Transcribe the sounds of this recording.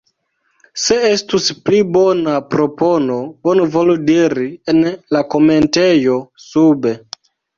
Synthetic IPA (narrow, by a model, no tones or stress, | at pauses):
se̞estusplibonapɾo̞pono̞onuvoludiɾienlako̞me̞ntejo̞sube̞